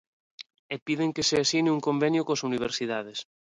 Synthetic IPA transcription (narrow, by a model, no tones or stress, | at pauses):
epiðeŋkeseasinɪuŋkombenjokoasuniβ̞eɾsiðað̞es